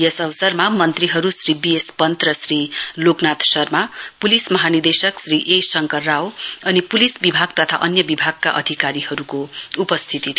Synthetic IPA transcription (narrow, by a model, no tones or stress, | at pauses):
jʌsʌwsʌrmamʌnt̪riɦʌɾusribijespʌnt̪rʌsɾiloknat̪sʌrmapulismʌɦanird̪esʌksriʔesʌŋkʌrːawʌnipulisbibʱaɡt̪ʌt̪ʰa̰ʔʌnjʌbibʱaɡ̚kaʔʌ̰d̪ʱikaɾihʌɾukoupʌst̪ʰit̪it̪ʰ